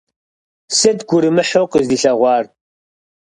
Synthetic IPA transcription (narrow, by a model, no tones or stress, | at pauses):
sɨdɡʷʊɾɨmɨħoqəzdiɬɐʁʷɑːr